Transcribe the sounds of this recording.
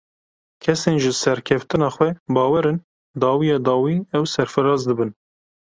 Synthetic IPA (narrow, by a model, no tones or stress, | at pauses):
kʲʰɛseːnʒɨsɛɾkʰɛft̪ɨnɑːxwʷɛbɑːwɛɾɨn | d̪ɑːwijɑːd̪ɑːwiːɛwsɛɾfɨɾɑːzd̪ɨbɨn